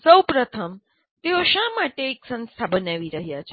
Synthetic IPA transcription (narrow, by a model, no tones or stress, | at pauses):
səwpɾət̪ʰəm | t̪eoʃamaʈeːksə̃nst̪ʰabənaʋiɾəɦjat͡ʃʰe